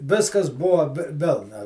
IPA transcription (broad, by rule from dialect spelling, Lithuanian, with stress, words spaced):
ˈʋʲɪskɐs ˈbʊʋoː ʋʲɪ ˈʋʲɪlˠnɐ